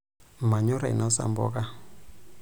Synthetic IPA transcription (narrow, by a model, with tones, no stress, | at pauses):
ma˨ɲo˦ɾa˨ḭ˨nɔ˦sa̰˨mbɔ̰˦ka˦